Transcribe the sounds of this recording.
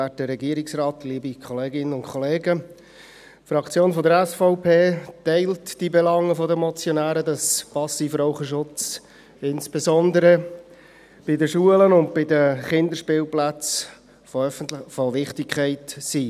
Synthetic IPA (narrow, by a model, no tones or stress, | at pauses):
ætdəɾɛɡiəɾɪksrɑːtːliːbikʰχɔleːɡɪnənʊnkʰχɔleːɡə | fɾɑkt͡sjoːnfɔdəɾɛsfɔʊpʰeːtɛɪltd̥ibɛlɑŋːəfɔdəmɔt͡sjɔnæːɾədɑspɑsifɾɔʊχəʃʊt͡s | ɪnsb̥ezɔnd̪əɾə | b̥ɪdəʃuələnʊnt̚bɪdəχɪnd̪əɾʃpɪːlplæt͡s | foʋɪχtɪkʰχɛɪtsiː